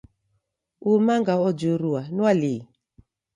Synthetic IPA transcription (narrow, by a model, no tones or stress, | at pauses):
umaŋɡaɔd͡ʒuɾuanuali